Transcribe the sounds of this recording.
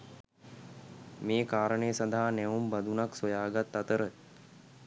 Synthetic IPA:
meːkaːɾənəjəsand̪aɦanɛʋumbad̪unaksojaːɡat̪ːat̪əɾə

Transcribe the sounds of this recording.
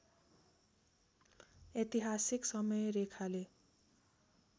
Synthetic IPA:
et̪iɦasiksʌmʌjɾekʰale

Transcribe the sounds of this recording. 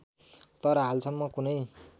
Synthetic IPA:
t̪ʌɾʌɦalsʌmːʌkunʌj

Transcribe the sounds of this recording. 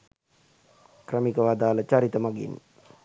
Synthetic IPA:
krəmikəʋad̪aːlət͡ʃaɾit̪əmaɡḭn

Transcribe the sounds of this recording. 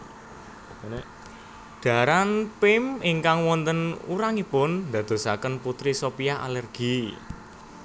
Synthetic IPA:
ne | ɖ̪̥ä̤ɾanpɪmiŋkaŋwɔnt̪ənuɾaŋipʊnd̪ä̤d̪̥o̤sakənput̪ɾisopijaa̰lɛrɡ̥i̤

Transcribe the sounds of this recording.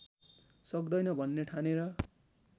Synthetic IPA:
sʌkd̪ʌjnʌbʱʌnːeʈʰaneɾʌ

